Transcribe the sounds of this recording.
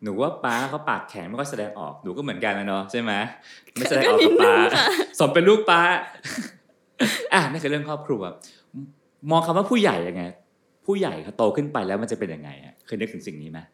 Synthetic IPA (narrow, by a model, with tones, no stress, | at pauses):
nuː˩˦waː˥˩paː˦˥˧kʰa˦˥wpaː˨˩t̪̚kʰɛ̰ː˩˦ŋma˥˩jkɔ˥˩jsa˧dɛː˧ŋʔɔ̰ː˨˩k̚nuː˩˦kɔː˥˩mɯ˩˦ənka˧nla˦˥nɔ˦˥t͡ɕʰa˥˩jma˦˥˩ | ja˧ɛː˧˨˦paː˦˥˧so˩˦mpe˧nluː˥˩k̚paː˦˥ | ʔa˧˩naː˥˩kʰɯ˧ɾɯ˥˩əŋkʰɔː˥˩p̚kʰɾuː˧a | mɔː˧ŋkʰa˧mwaː˥˩pʰuː˥˩ja̰˨˩jːa˧ŋːa˦˥ | pʰuː˥˩ja̰˨˩jkʰa˧˩t̪oː˧kʰɯ˥˩npa˧jlɛː˦˥wma˧nt͡ɕa˨˩pe˧nja˧ŋːa̰˧ja̰˨˩kʰɤː˧jnɯ˦˥k̚t̪ʰŋsi˨˩ŋniː˦˥ma˦˥